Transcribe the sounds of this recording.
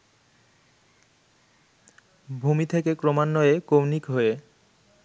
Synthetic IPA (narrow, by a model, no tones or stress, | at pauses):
bʱumit̪ʰekekɾomanːɔekownikɦoe